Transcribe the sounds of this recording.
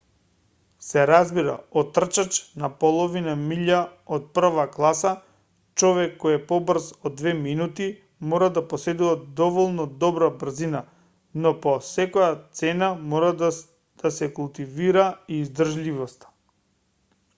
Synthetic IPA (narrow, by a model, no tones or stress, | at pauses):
sɛɾazbiɾa̰ɔt̪ːr̩t͡ʃat͡ʃnapolˠɔvinamiʎaot̪̚pr̩vaklˠasa | t͡ʃɔvɛkːɔjɛpɔbrzɔd̪vɛminut̪i | mɔɾad̪aposɛd̪uvad̪ɔvɔlˠnɔd̪ɔbɾabr̩zina | nɔpɔsɛkɔjat̪sɛnamɔɾad̪ | d̪̥asɛkulˠt̪iviɾaiːzd̪r̩ʒlivɔst̪ḁ